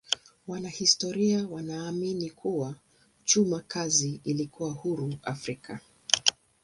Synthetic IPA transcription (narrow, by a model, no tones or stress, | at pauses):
wanahistɔɾiawanaːminikʰuwa | t͡ʃumakʰaziilikuwahuɾua̰fɾikʰa